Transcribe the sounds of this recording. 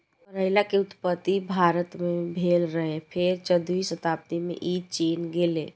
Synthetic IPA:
əɾəɦɪlakeʊt̪pət̪ːibʱaɾət̪mẽbʱeːlɾəɦepʰeɾt͡ʃəd̪uisət̪aːpət̪imḛ̃ʔiːd̪̚t͡ʃiːnɡeːleː

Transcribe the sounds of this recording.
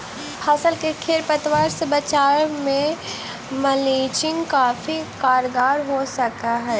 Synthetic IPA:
pʰaːsəlkekʰeːɾpət̪ʋaːɾsebɐt͡ʃaːɾmẽ | mɐleːt͡ʃɪ̃ŋɡkaːfikaːɾɡaːɾɦosɐkaɦɛː

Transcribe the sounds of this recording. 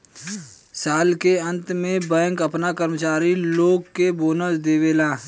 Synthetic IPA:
saːlkeɐ̃nt̪mẽbə̃ːŋkɐpnakəɾmət͡ʃaːɾiloːɡkːeboːnəsd̪eːʋeːlaː

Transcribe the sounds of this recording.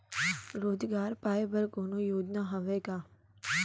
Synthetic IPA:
ɾoːd͡ʒɡaːɾpaːebəɾkoːnojoːd͡ʒ̪naɦɐʋeːkaː

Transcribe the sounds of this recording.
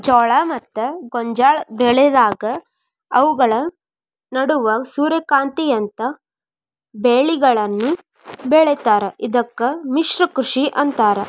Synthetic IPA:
d͡ʒɔːɭɐmɐt̪ːɐɡɔɲd͡ʒaːɭbɛɭɛd̪aːɡɐ | ɐʋuɡɐɭɐ | nɐɽuʋɐsuːɾekaːnt̪ijɐnt̪ɐ | beːɭiɡɐɭɐnːu | beɭɛt̪aːɾɐʔid̪ɐkːɐmiʂɾɐkɾuʂiʔɐnt̪aːɾɐ

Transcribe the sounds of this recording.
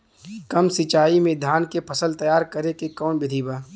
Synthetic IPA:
kɐmsɪt͡ʃaːimẽd̪ʱaːnkepʰɐsəlt̪ɐjaːɾkɐɾekekɔːnbɪd̪ʱiːbaː

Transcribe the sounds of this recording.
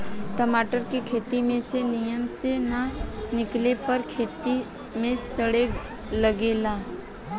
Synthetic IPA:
ʈəmaːʈəɾkikʰeːt̪imẽsenijəmsenanɪklepəɾkʰeːt̪i | mẽsəɽe | ləɡeːlaː

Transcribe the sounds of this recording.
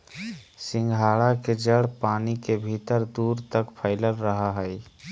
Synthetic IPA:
sĩŋɡʱaɽaked͡ʒəɽ̤panikebʱit̪əɾd̪uɾt̪əkpʰəɪləlɾəɦəɦəj

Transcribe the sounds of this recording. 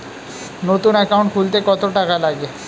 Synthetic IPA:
not̪unɛkawɳʈ̚kʰult̪ekɔt̪oʈakalaɡe

